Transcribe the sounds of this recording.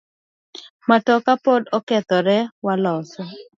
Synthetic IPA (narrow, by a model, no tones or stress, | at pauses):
matɔkapɔdɔkɛt̪ɔɾɛwalɔsɔ